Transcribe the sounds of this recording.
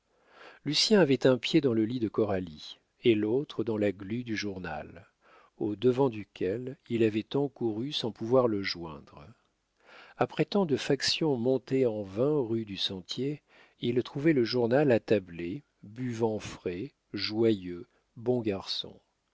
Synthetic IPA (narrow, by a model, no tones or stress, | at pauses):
lysjɛ̃avɛt̪ɛ̃pjed̪ɑ̃ləlid̪əkɔʁali | elot̪χəd̪ɑ̃laɡlyd̪yʒuʁna̰l | od̪əvɑ̃d̪ykʲʰɛlilavɛt̪ɑ̃kuʁysɑ̃puvwaʁləʒwɛ̰̃d̪ʁ | apχɛt̪ɑ̃d̪əfaksjɔ̃mɔ̃t̪eɑ̃vɛ̃ʁyd̪ysɑ̃t̪je | ilt̪χuvɛləʒuʁnalat̪able | byvɑ̃fχɛ | ʒwajø | bɔ̃ɡaʁsɔ̰̃